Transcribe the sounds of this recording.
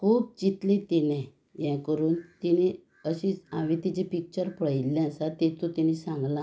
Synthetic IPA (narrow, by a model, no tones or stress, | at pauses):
kʰuːb̚t͡ɕit̪let̪inɛ̃ | jɛ̃kəɾuːnt̪ini | əɕĩaʋit̪it͡ɕepik̚t͡ɕəɾpɽilːɛ̃əsat̪et̪ot̪inisãŋɡla